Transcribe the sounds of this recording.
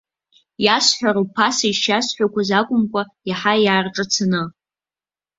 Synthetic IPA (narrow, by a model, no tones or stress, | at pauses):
jasħʷᶣaɾupʰasaiʃasħʷᶣakʷazakʷʼʊmkʷʼajaħajaːrʈ͡ʂʼɨt͡sʰanɨ